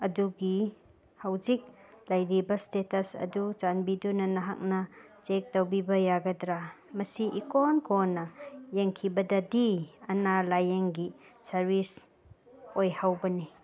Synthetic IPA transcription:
ɐduɡi | hawd͡ʒik̚lɐjɾibɐstetɐsɐ̰dut͡ʃanbidunɐnɐɦa̰k̚nɐ | t͡ʃek̚tɐwbibɐjaɡɐdɾa | mɐsiʔikonkʰonːɐjeŋkʰibɐdɐdiɐnalajeŋɡi | sɐɾbis | ojhawbɐni

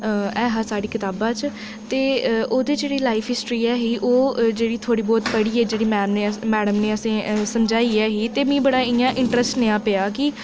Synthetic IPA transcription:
ɛːɦãːsaːɽiːkɪt̪aːbãːt͡ʃ | t̪eːoːd̪eːd͡ʒeːɽiːlaːɪpʰɦɪsʈɾiːɛːɦiːʔoːd͡ʒeːɽiːt̪ʰoːɽiːbɔːt̪pəɽiːɛːd͡ʒeːɽiːmɛːnneːmɛːɽəmneːəsẽːsəmd͡ʒaːiːɛːɦiːt̪eːmĩːbəɽaːɪãːʔɪ̃ɳʈɾəsʈneːãːpeaːkɪ

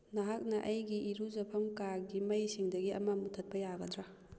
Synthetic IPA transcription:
naɦak̚nɐʔɐjɡiʔiɾuzɐpʰɐmkaɾɡimɐjsiŋdɐɡiɐ̰mamutʰɐt̚pɐjaɡɐdɾa

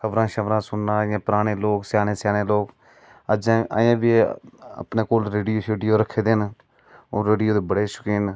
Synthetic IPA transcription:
kʰəʋɾãːʃəʋɾãːsʊnːãːjãːpəɾaːɽ̃eːloːksjaːneːsjaːneːloːk | əd͡ʒãːa̰ːjãːbiːə̰pneːkoːlɾeːɖijoːeːɖijoːɾəkʰːeːd̪eːn | oːɾeːɖijoːd̪eːbəɽeːʃʊ̥kiːn

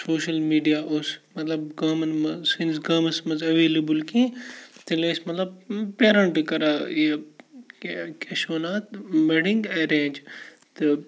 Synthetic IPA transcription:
soːʃɐlmiːɖijaːʔosmɐt̪lɐbɡaːmɐnmɐsɪnsɡaːmɐsmɐnzɐʋeːlebəlkĩːt̪ileːsmɐt̪lɐb̚peːɾɐɳʈkɐɾaːie | keʃoːnaːt̪meɽĩŋɡeːɾẽːnd͡ʒ | t̪ɐ

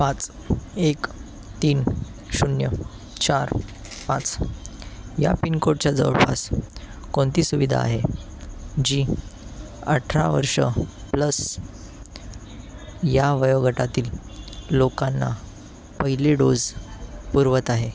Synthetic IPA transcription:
pãt͡s | ek | t̪iːnɕunjə̰ | t͡ɕaɾ | pãt͡s | ja̰pinkoɽ̚t͡ɕjad͡zə̰ʋɭpa̰s | koɳt̪iːsuʋid̪ʱa̰ːɦe | d͡ʑiː | ə̰ʈʰɾa̰ʋə̰ɾʂə̰pləs | jaʋəjʋɡʱəʈat̪iːlː | okanːa̰ | pəɦileɖod͡zpuɾʋət̪aɦe

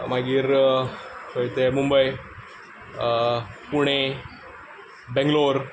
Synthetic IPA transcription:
maɡiːɾ | kəjt̪emumbəj | puɽ̃e | bɛ̃ŋɡloɾ

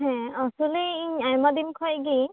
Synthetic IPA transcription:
ɦɛ̃ɔsuliiɲajmad̪inkʰɔjɡi

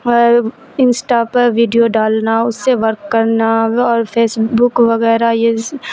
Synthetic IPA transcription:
ɪnsʈapɐɾʋiːɖijoɖaːlnaʊsːeʋɐɾkːɐɾnaɔːɾpʰeːsbʊkʋɐɣɛːɾaje

